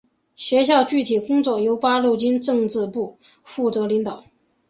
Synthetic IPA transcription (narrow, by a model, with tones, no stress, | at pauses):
ɕɥɛ˧˥ɕjɑ˥˧ʊt͡ɕy˥˩t̪ʰi˨˩kʊ˥ŋt͡swɔ˥˩jo˧˥ʊpa˥lo˥˩ʊt͡ɕi˥nʈ͡ʂɤ˥˧ŋt͡sɹɻ̩˥˧pu˥˩fu˥˩t͡sɤ˧˥li˧˥ŋt̪ɑ˨˩˦ʊ